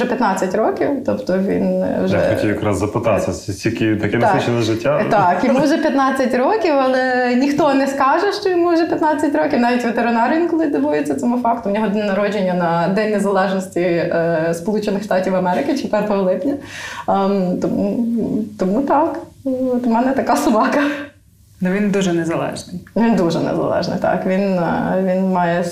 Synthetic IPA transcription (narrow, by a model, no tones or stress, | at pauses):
ɛpʲjɐt̪nɑt͡sʲːɐtʲɾɔkʲiwt̪ɔpt̪ɔʋʲḭnʒjaɛ̰xɐtiljɐkɾa̰szɐpɪt̪ɑsʲɐsʲsʲtʲikʲit̪ɐkʲɛnsɑut͡ʃɛnɛʒɪtʲːat̪ɑkjɔmuʒɛpʲjɐt̪nɑt͡sʲːɐtʲɾɔkʲiwɐlˠɛnʲixt̪ɔnɛskɑʒɛʃt͡ʃɔjɔmuʒɛpʲjɐt̪nɑt͡sʲːɐtʲɾɔkʲiwnɑʋʲitʲʋet̪eɾɪnɑɾʲiinkɔlˠɪd̪ɔbujet͡sʲːɐt̪ɔmufɑkt̪ʊnʲɔɦɔd̪nɐɾɔd͡ʒenʲːɐnɐd̪ɛnʲnːezɐlˠɛʒnɔsʲtʲispɔlˠut͡ʃenɪxʂt̪ɑtʲiwɐmɛɾɪkɪt͡ʃɪpʲɛt̪ɔɦɔlˠɪpnʲɐ | t̪ɔmut̪ɔmut̪ɑkt̪mɛnɛt̪ɐkɑsʊbɑkɐ | nʊʋʲind̪uʒɛnɛzɐlˠɛ̰ʒnɪjʋʲind̪uʒɛnɛ̰zɐ̰lˠɛ̰ʒnɪ̰jt̪ɑ̰kʋʲinʋʲinmɑjɛ